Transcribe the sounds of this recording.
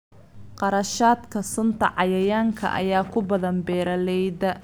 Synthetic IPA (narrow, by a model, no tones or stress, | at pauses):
qɑɾɐʃaːd̪kʰɐsʊnt̪ʰɐ̰ʕɑjɐjaːŋkʰɐ̰ʔɐ̰jaːkʰʊbɐðɐnbɛːɾɐlɛjðɐ